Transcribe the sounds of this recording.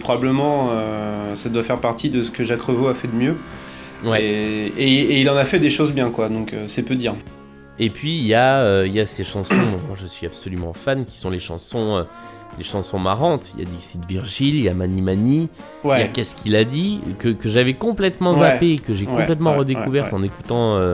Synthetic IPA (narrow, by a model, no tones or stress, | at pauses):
pχɔbabləmɑ̃øsad̪wafɛʁpaʁt̪ʰid̪əsə̥kəʒakχəvoafɛd̪əmjø | wɛeeilɑ̃nafɛd̪eʃozbjɛ̃kwad̪ɔ̃køsɛpød̪iʁ | epɥijaøiljaseʃɑ̃sɔ̃ɔ̃mwaʒəsɥiab̥sɔlymɑ̃fankʲi̥sɔ̃leʃɑ̰̃sɔ̃ø | leʃɑ̃sɔ̃maʁɑ̃t̪ija̰d̪iksid̪viʁʒilijamanimani | wɛjakɛskʰʲilad̪ikəkəʒavɛkɔ̃plɛt̪mɑ̃zaapekəʒekɔ̃plɛt̪mɑ̃ʁəd̪ekuvɛʁt̪ɑ̃nekut̪ɑ̃ø